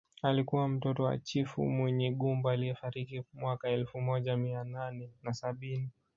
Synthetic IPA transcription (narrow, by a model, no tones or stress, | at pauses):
alikuwam̩tɔtɔwa̰t͡ʃifṵmwɛɲɛɠumbaalijɛfaɾikimwakaɛlfumɔʄamiananɛnasaɓini